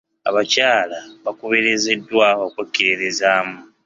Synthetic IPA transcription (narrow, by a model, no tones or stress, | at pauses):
a̰βacaːlaβakuβeɾizedːwaːho̞ːkwekːiɾiɾizaːmu